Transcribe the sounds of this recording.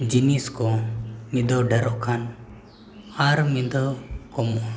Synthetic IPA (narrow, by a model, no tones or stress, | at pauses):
d͡ʒiniskɔmid̪ɔɖɛɾɔʔkʰan | aɾmid̪ɔkɔmɔʔ